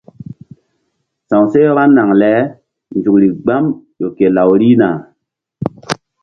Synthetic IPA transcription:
sã˨wse˦ɾa˦nːa˨ŋlɛ˨˦ | nd͡ʒu˨kɾi˨ɡ͡ba˦mjo˨ke˨la˨wɾi˦na˨

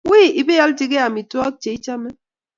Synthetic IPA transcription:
wi˦˨ʔi˨be˦ja˦lti˦ɡe˦a˨mi˨tu˦ɔ˦t͡ʃe˨i˦t͡ʃa˦mɛ˦

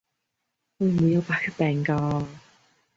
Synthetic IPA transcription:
ho˧mu˨˥jɐ˧wpaː˨˩kʰə˥pɛː˨˩ŋkaː˧

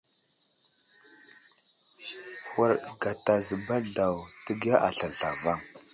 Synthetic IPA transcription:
hu˨ɾɡa˨ta˨zə˨ba˦da˨wtə˦ɡa˦ʔa˨ɬa˨ɬa˨va˦˨ŋ

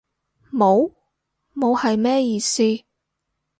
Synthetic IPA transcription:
mo˨˧w | mo˨˧whɐ˨jmɛː˥jiː˨˧siː˥

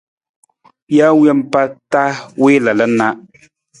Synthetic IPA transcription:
ja˦wɛ˦m˨pa˦ta˦weː˦la˨lə˨˦na˦

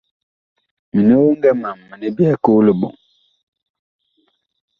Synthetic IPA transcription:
mi˨ni˦wo˦ŋɡɛ˦ma˨mː˨ə˨ni˦bjɛ˦ko˦lə˨ɓɔ̰˨ŋ

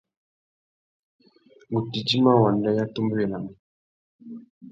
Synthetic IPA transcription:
ŋɡu˨ti˨d͡ʒi˦ma˦wa˨n˨dɛ˦ja˦tu˦mbu˦jɛ˨la˨mu˨

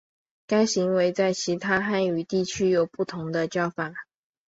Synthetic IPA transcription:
ka˥ɪɕi˧˥ŋwe˧˥ɪt͡sa˥˩ɪt͡ɕʰi˧˥t̪ʰa˥xa˥˩ny˨˩t̪i˥˩t͡ɕʰy˥jo˨˩ʊpu˥˩t̪ʰʊ˧˥ŋd̪ə˧t͡ɕjɑ˥˩ʊfa˨˩˦

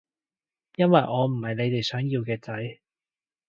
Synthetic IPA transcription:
jɐ˥nwɐ˨jʔɔː˨˧m̩˨˩hɐ˨jne˨˧jt̪e˨˩jsœː˨˥ŋjiː˧wkɛː˧t͡sɐ˨˥j

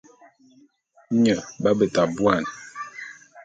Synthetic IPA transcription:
ɲə˨ba˦bə˨ta˨bwa˦˨n˨

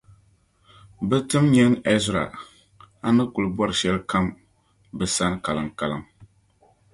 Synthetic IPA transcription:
bɨ˦tɨ˦mɲɛ˦nɛ˦zɾa̰˨ | a˦nɨ˦kʊ˨lbɔ˦ɾɨ˨ʃɛ˦lka˦m | bɨ˨sa˦n˦ka˨lɨ˨ŋka˨lɨ̰˨ŋ

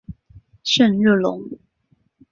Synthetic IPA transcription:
ʂə˥˧nɻə˥˩lʊ̰˧˦ŋ

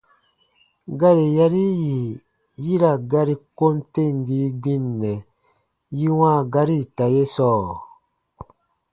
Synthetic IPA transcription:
ɡa˦ɾi˨ja˦ɾi˦ji˨ | ji˦ɾa˨ɡa˦ɾi˨ko˦nte˦˨ŋ˨ɡi˦ɡ͡bĩ˦nːɛ˨ | ji˦wãː˦˨ɡa˦ɾi˦˨ta˨je˦sɔː˦˨

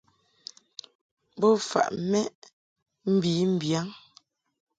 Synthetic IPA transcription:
bo˦fa̰˨ʔmɛ˦ʔ | m̩˦bi˨˦m̩˦˨bja˨˦ŋ

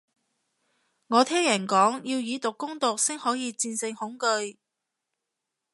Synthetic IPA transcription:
ŋɔː˨˧t̪ʰɛː˥ŋjɐ˨˩nkɔː˨˥ŋjiː˧wjiː˨˧t̪ʊ˨kːʊ˥ŋt̪ʊ˨k̚sɪ˥ŋhɔː˨˥jiː˨˧t͡siː˧nsɪ˧ŋhʊ˨˥ŋkɵ˧ɥ

